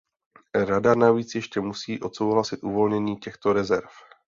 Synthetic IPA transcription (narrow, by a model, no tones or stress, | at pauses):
ɾadanaviːt͡sjɛʃcɛmusiːʔo̞t̪so̞wɦlasɪt̪ʔuvo̞lɲɛɲiːcɛxt̪o̞ɾɛzɛɾf